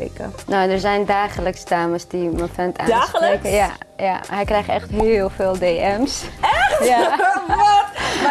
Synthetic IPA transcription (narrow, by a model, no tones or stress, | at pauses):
ḛkə̰nowdərzɛjndaːχələksədaːməsdiməfɛntʰa̰nːsekəjaja̰ɦɛjkrɛjxtɛxtɦɪlˠfeːlˠdeːʔɛmsja